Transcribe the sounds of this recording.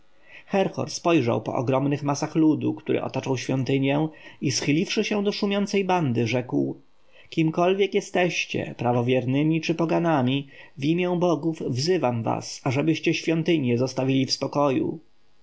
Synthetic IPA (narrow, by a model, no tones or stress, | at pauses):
xɛɾxɔ̰ɾspɔjʐa̰wpɔ̰ʔɔɡɾɔmnɘxmasaxlud̪ukt̪uɾʔɘ̰ʔɔ̰t̪at͡ʂawɕfʲjɔnt̪ɘɲjɛ̃isxɘlʲifʂɘɕɛw̃d̪ɔʂumʲjɔnt̪sɛjband̪ɘʐɛkw | kʲimkɔlvʲjɛkjɛst̪ɛɕt͡ɕɛ̰pɾavɔvʲjɛɾnɘmʲit͡ʂɘpɔɡanamʲivʲimʲjɛ̃bɔɡuvvzɘvamva̰saʐɛbɘɕt͡ɕɛɕfʲjɔnt̪ɘɲjɛzɔst̪avʲilʲifspɔkɔjṵ